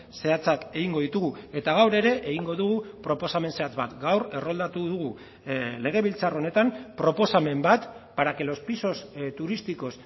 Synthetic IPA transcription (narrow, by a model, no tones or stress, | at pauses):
se̞at͡sake̞ɣiŋɡo̞ðit̪uɣue̞t̪aɣ̞awɾe̞ɾe̞ʔeɣiŋɡo̞ðuɣupɾo̞po̞same̞nse̞at͡sβat̪ɡawre̞ro̞ld̪at̪uðuɣu | le̞ɣ̞e̞β̞ilt͡sarone̞t̪ampɾo̞po̞same̞mbat̪paɾake̞lo̞spiso̞st̪uɾist̪iko̞s